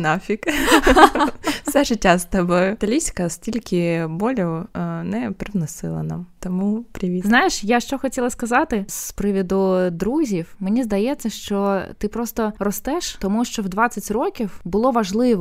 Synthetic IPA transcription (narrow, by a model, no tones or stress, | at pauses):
nɑfʲik | sɛʒɪtʲːast̪ɐbɔjʊt̪ɐlʲisʲkɐsʲtʲilʲkʲʰɪbɔlʲʊwnɛpɾɪʋnɔsɪ̰lˠɐ̰na̰mt̪ɔmupɾʲɪʋʲiznɑjɪʃjaʃt͡ʃɔxɔtʲilˠɐskɐzɑt̪ɪspɾɪʋʲid̪ʊd̪ɾuzʲiwmenʲizd̪ɐjɛt͡sʲːɐʃt͡ʃɔt̪ɪpɾɔst̪ɔrɔst̪ɛʃt̪ɔmuʃt͡ʃɔwd̪ʋɑt͡sʲːɐtʲrɔkʲiwbʊlˠɔʋɐʒlˠɪʋɔ